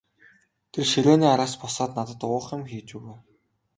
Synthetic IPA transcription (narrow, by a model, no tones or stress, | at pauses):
t̪ʰerʃiɮoːniːaɾaːspɔsɔːt̪nat̪ə̆t̪ʊːχjʊ̆mxiːt͡ɕuɣĕː